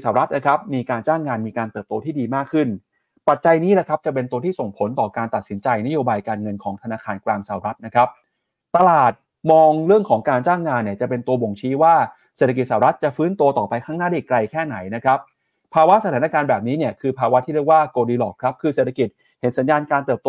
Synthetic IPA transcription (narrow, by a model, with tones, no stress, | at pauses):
saː˨˩ɾa˦˥t̪̚na˦˥kʰa˦˥p̚miː˧kaː˧nt͡ɕaː˥˩ŋːaː˧nmiː˧kaː˧nt̪ɤː˨˩p̚t̪oː˧t̪ʰiː˥˩diː˧maː˥˩kʰːɯ˥˩n | pa˨˩t̪̚t͡ɕa˧jniː˦˥lɛ˨˧˩kʰa˦˥p̚t͡ɕa˨˩pe˧nt̪u˧əiː˥˩so˨˩ŋpʰo˨˩˦nt̪ɔː˨˩kaː˧nt̪a˨˩t̪̚si˩˦nt͡ɕa˧jna˦˥joː˧baː˧jkaː˧nŋɤ˧nkʰɔː˩˦ŋt̪ʰa˧naː˧kʰaː˧nklaː˧ŋsa˨˩ɾa˦˥t̪̚na˦˥kʰɾa˦˥p̚ | t̪a˧laː˨˩t̪̚ | mɔː˧ŋɾɯ˥˩əŋkʰɔː˩˦ŋkaː˧nt͡ɕaː˥˩ŋːaː˧nːi˥˩ɐt͡ɕa˨˩pe˧nt̪u˧ɐbo˨˩ŋt͡ɕʰiː˦˥waː˥˩ | se˨˩t̪ʰːki˨˩saː˨˩ɾa˦˥t̪̚t͡ɕa˨˩fɯː˦˥nt̪u˧ɐt̪ɔː˨˩pa˧jkʰaː˥˩ŋnaː˥˩a˥ʔi˨˩kla˧jkʰɛː˥˩na˩˦jna˦˥kʰa˦˥p̚ʰː | aː˧wa˦˥ʔsa˧t̪ʰaː˩˦na˧kaː˧nbɛː˨˩p̚niː˦˥ni˥˩ɐkʰɯː˧pʰaː˧wa˦˥t̪ʰiː˥˩ɾi˥˩ək̚waː˥˩koː˧diː˧lɔː˨˩kʰɾa˦˥p̚kʰɯː˧se˨˩t̪ʰa˧ki˨˩t̪̚ | he˩˦nsa˩˦njaː˧nkaː˧nt̪ɤː˨˩p̚t̪ː